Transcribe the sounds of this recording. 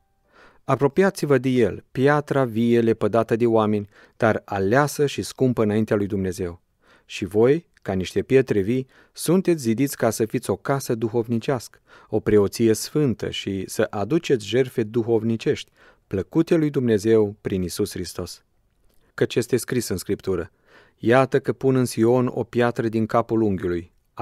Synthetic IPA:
apɾo̞pijat̪sivəd̪e̞je̞lpjat̪ɾaviele̞pəd̪at̪əd̪e̞owame̞nʲ | d̪̥aralasəʃiskumpəɨnaint̪ealujd̪umne̞ze̞w | ʃivo̞j | kaniʃt̪e̞pje̞t̪ɾevi | sunt̪e̞t̪sʲzid̪it̪sʲkasəfit̪sʲo̞kasəd̪uxo̞vnit͡ʃɪaskə̥ | o̞pɾe̞o̞t̪sije̞sfɨnt̪ə̰ʃisəʔad̪ut͡ʃe̞t̪sʲʒe̞rfe̞d̪uxo̞vnit͡ʃe̞ʃt̪ʲ | pləkut̪e̞lujd̪umne̞ze̞wpɾinisusxɾist̪o̞s | kət͡ʃje̞st̪e̞skɾisɨnskɾipt̪uɾə | jat̪əkəpunɨnsio̞no̞̰pjat̪ɾəd̪iŋkapuluŋɡʲuluj

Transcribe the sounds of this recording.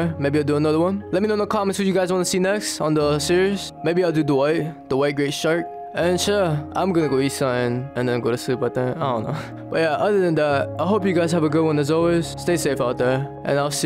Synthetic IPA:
meɪbiaɪlduənʌðəwʌ̃nlɛt̚minoʊnokʰɔmɛ̃nswɔt͡ʃjuɡaɪzwɔ̃ntusinɛkstɔ̃ndəsiɹiz | mebiaɪlˠdud̪əwaɪt̚d̥̪əwaɪt̚ɡɹeɪtʃaɹt̚ | ʔɛ̃nʃʊʔã̰ɪ̃mɡʌnəɡoisəɪ̃nʔɛ̃ndɛ̃nɡoʊɾusip̚bat̪ɛ̃naɪdõʊ̃nːo̰ʊ | b̥ʌt̚jæʔʌðəðɛ̃ndæt̚aɪɦop̬juɡaɪzhævəɡʊdwʌ̃nðæts̬ɔlwez̥steɪsefaʊt̚ðɛʔɛ̰̃naɪlsi

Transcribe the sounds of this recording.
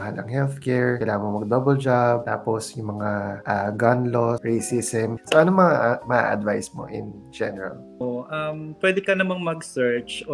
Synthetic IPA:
ɐhaːlʔɐ̰ŋhɛlθkɛɹkɪlaːhɐmomɐɡ̚d̪obɛld͡ʒab̚t̪a̰ːposjʊŋmɐŋaʔaɡɐnloɹesisɛmsoʔɐnoŋmɐŋaʔmɐʔa̰ʔɐ̰d̪vajsmo̰ʔɪ̰n | d͡ʒɛnɛɹɐ̰l | oʔɐmpwɛd̪ɛkɐnɐmaŋmɐɡsɛɹt͡ʃ

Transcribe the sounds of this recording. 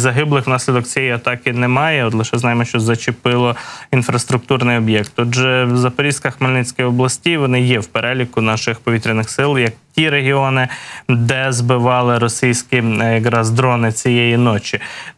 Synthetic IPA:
zɐɦɪblˠɪxwnɑsʲlʲid̪ɔk̚t͡sʲjɛjiɐt̪ɑkɪnɛmɑjɛɔt̪lˠɪʃɛznɑjɪmɔʃt͡ʃɔzɐt͡ʃɪpɪlˠɔinfɾɐst̪ɾʊk̚t̪urnɪjɔbʲjɛkt̪ɔdʒɛzɐpɔɾʲiskɐxmelʲnɪt͡sʲkɪjɔblˠɐsʲtʲijʋɔnɪjɛwpeɾɛlʲikʊnɑʃɪxpɔʋʲit̪ʲɾʲɪnɪxsɪlˠjɐk̚tʲiɾeɦʲiɔnɪd̪ɛzbɪʋɑlˠɪɾɔsʲijsʲkʲiɐɡɾɑzd̪ɾɔnɪt͡sʲijɛjinɔt͡ʃi

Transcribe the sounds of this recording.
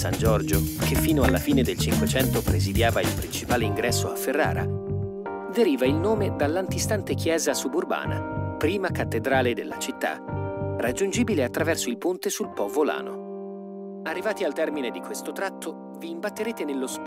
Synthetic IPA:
sa̰nd͡ʒɔrd͡ʒokʰefːiːnoalːafiːned̪elt͡ʃiŋkwet͡ʃɛnt̪opɾezid̪jaːvailpɾint͡ʃipaːleiŋɡɾʔɛsːoafːerːa̰ːɾa̰ | veɾiːvailnoːmed̪alːant̪ist̪ant̪ekjɛːzasuburba̰ːna̰pɾiːmakat̪ːed̪ɾaːled̪elːat͡ʃit̪ːa̰rad͡ʒːund͡ʒiːbileat̪ːɾavɛrsoilpunt̪esulpɔvola̰ːno̰ | arːivaːt̪ialt̪ɛrmined̪ikwest̪ot̪ɾat̪ʰːo | viːmbat̪ːeɾeːt̪enelːos

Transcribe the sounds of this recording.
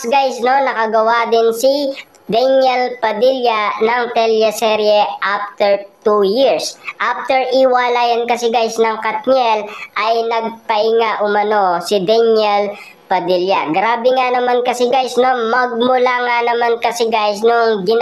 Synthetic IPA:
ɡajsno̞nɐkɐɡɐwad̪ɪnsɪ | d̪ɛnjɛlpɐd̪iljɐnɐŋt̪ɛljɐsɛɾjɛʔaft̪ɛɹt̪ujiɹsʔaft̪ɛɹʔɪwaːlajɐnkɐsɛɡajsnɐŋkɐt̪̚ɲɛlʔɐjnɐɡ̚pɐʔɪŋaʔʊmɐno̞sɪd̪ɛnɛl | pɐd̪iljɐɡɾaːbɛŋanɐmankɐsɛɡajsnomɐɡ̚mʊlaŋanɐmankɐsɛɡajsnoŋɡɪ

